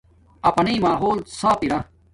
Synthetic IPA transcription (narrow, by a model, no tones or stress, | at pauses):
ɐpɐniːmaːɦoːlsaːpiɾã